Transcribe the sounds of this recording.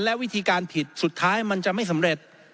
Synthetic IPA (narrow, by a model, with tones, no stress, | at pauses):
nlɛ˦˥wi˦˥t̪ʰiː˧kaː˧npʰi˨˩t̪̚su˨˩t̪ʰːaː˦˥jma˧nt͡ɕa˨˩ʔma˥˩jsa˩˦mɾe˨˩t̪̚